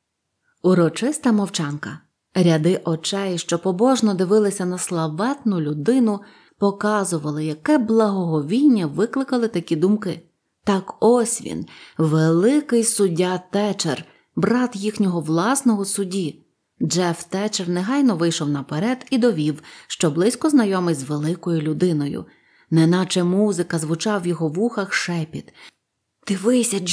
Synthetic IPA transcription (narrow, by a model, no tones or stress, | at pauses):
uɾɔt͡ʃɪst̪ɐmɔwt͡ʃɑnkɐ | ɾʲɐd̪ɪʔɔt͡ʃɛjɪʃt͡ʃɔpɔbɔʒnɔd̪ɪʋɪlˠɪsʲɐnɐslˠɐʋɛt̪nʊlʲʊd̪ɪnʊ | pɔkɑzʊʋɐlˠɪjɐkɛblˠɐɦɔɦɔʋʲinʲːɐʋɪklˠɪkɐlˠɪt̪ɐkʲid̪umkɪ | t̪ɑkɔsʲʋʲḭnʋelˠɪkɪjsʊdʲat̪ɛt͡ʃḛr | bɾɑt̪jixnʲɔɦɔʋlˠɑsnɔɦɔsʊdʲi | d͡ʒɛft̪ɛt͡ʃernɛɦɑjnɔʋɪjʃɔwnɐpeɾɛd̪id̪ɔʋʲiwʃt͡ʃɔblˠɪsʲkɔznɐjɔmɪjzʋelˠɪkɔjʊlʲʊd̪ɪnɔjʊ̰ | nɛnɑt͡ʃɛmuzɪkɐzʋʊt͡ʃɑwjɔɦɔʋuxɐxʃɛpʲit̪ | d̪̥ɪʋɪsʲɐ